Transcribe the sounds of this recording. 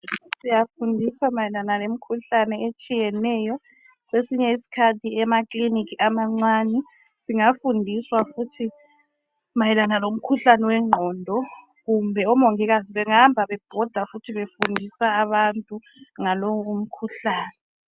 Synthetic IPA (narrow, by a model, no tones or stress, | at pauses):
sijafundʱiswamajɛlanalem̩kʰuɬanɛet͡ʃʼijɛnɛjɔ | ɣesiɲɛisi̥kʰatʰiɛmakʼlinikʰiʔamaŋ͡ǀwanɛ | siŋafundʱiswafutʰi | majɛlanalom̩kʰuɬanɛwɛŋ͡ǃʱɔːndʱɔ | ɣumbʱɛɔmoŋiɣaziβɛŋambʱaβɛb̥ʱɔd̥ʱafutʰiβefundʱisaːβantʼu | ŋaloum̩kʰuɬaːnɛ